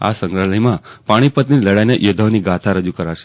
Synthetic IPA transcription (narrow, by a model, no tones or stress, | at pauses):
a̰sə̃ŋɡɾaləjmãpaɽ̃ipət̪niiləɽajneʔjod̪ʱaʋniɡat̪ʰaɾəd͡ʒukəɾaʃe̥